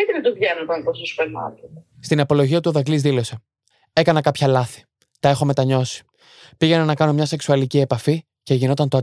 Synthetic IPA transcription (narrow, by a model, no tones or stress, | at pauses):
et̪eɾit̪uvʝenɐt̪ɐnp̪osuspenɐ̰tust̪inɐpo̞lo̞ʝiɐt̪uoðɐklizðilo̞se̞ | e̞kɐnɐkɐpçɐlɐθi̥ | t̪ɐe̞xo̞me̞t̪ɐɲo̞si̥ | piʝe̞nɐnɐkɐno̞mɲɐse̞ksuɐlicie̞pɐfi | ce̞ʝino̞t̪ɐnt̪oɐ